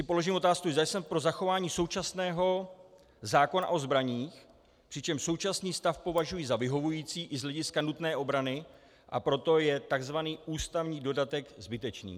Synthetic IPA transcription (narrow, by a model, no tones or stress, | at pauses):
sɪpo̞lo̞ʒiːmot̪aːskuʒdajsɛmpɾo̞zaxo̞vaːɲiːso̞wt͡ʃasnɛːɦo̞ | zaːko̞na̰ʔo̞zbɾaɲiːx | pr̥ɪt͡ʃɛmʃso̞wt͡ʃasniːst̪afpo̞vaʒujizavɪɦo̞vujiːt͡siːʔɪzɦlɛɟɪskanut̪nɛːʔo̞bɾanɪ | ʔa̰pɾo̞t̪o̞jɛt̪aɡzvaniːʔuːst̪avɲiːdo̞dat̪ɛkzbɪt̪ɛt͡ʃnḭː